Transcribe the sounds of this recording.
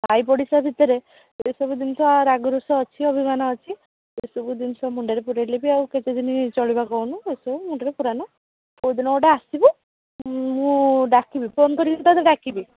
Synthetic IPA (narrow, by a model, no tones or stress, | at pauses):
bʱajpɔɽisabʱit̪ɔɾe | esɔbud̪int̪ʰɔaɾaɡɔɾusɔːt͡ʃʰiɔbʱimanɔːt͡ʃʰi | esɔbud̪insʰɔmuɳɖaɾepuɾalebiawket̪ed̪ʱinit͡ʃɔɭibakɔwnuesɔbumuɳɖaɾepuɾanɔ | owd̪inɔoɖeasibu | mũɖakibiponkɔɾikt̪ad̪iɖakibi